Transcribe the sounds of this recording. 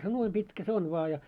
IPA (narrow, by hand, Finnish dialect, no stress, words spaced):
se nuoi pitkæ se on ʋŏɑ jɑ